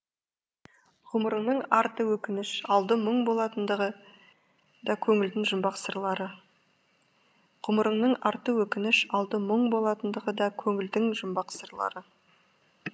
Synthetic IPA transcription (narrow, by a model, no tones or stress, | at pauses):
qʰʊməɾəɴnəɴɑɾt̪əwɵkʲɪnɪʃɑlˠd̪əməɴbo̞lˠɑt̪ənd̪əʁə | d̪ɑkʲʰɵŋɪld̪ɪŋʒʊmbɑqsəɾlˠɑɾə | qʰʊməɾəɴnəɴɑɾt̪əwɵkʲɪnɪʃɑlˠd̪əməɴbo̞lˠɑt̪ənd̪əʁəd̪ɑkʲʰɵŋɪld̪ɪŋʒʊmbɑqsəɾlˠɑ̰ɾə